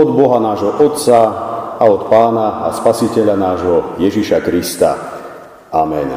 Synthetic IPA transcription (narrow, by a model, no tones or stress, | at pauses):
ɔd̪bɔɦanaːʒɦɔʔɔt̪t͡saaɔt̪paːnaa̰spasicɛʎanaːʒɦɔjɛʒiʃakɾist̪a̰ | amɛn